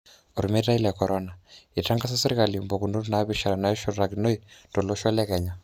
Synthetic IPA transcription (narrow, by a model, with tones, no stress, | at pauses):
o˨ɾu˨mɛ˦ta˦i˦la˨kɔɾɔna˨i˨ta˦ŋɡa˦s̬a˦se˦ɾi˦kalimbo˨ku˨ndo˦ɾuna˨βi˨ʃa˨ɾa˨na˦ɛ˦ʃɔ˦ɾɾaɡino˦itɔ˨lɔ˦ʃa˦lɛ˦kɛɲa˨